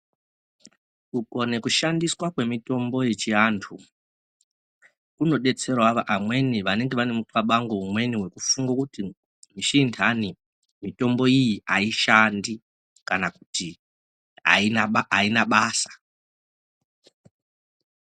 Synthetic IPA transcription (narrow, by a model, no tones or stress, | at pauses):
uko̞ne̞kuʃandiswakwe̞mito̞mbo̞je̞t͡ʃiantʰu | kuno̞ɗe̞t͡se̞rwaʋaʔamwe̞niʋane̞ŋɡe̞ʋane̞mutwaɓaŋɡo̞umwe̞niwe̞kufuŋɡakuti | miʃintʰani | mito̞mbo̞ijiʔaiʃandi | kanaku̥ti | a̰iaainaɓaːsḁ